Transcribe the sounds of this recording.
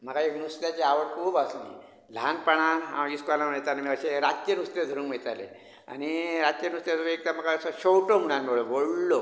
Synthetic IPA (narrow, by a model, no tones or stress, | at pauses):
m̤əkaeknust̪jat͡ɕeaʋəʈkʰuːbaslḭ | l̤ʱanpəɳ̃anɦã̰iskʋalamet̪anmiəɕeɾat̪t͡ɕenust̪ed̪ʱəɾuːnkmiɭt̪alḛ | a̰niɾat̪̚t͡ɕenust̪jesəkek̚t̪aməkaəsɔɕowʈomuɽanmoɭeʋoɽlo